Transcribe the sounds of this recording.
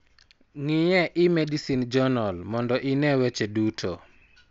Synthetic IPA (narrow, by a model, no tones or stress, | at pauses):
ŋijɛʔɪmɛdisind͡ʒɔnɔlmɔndɔʔɪnɛwɛt͡ʃedutʰo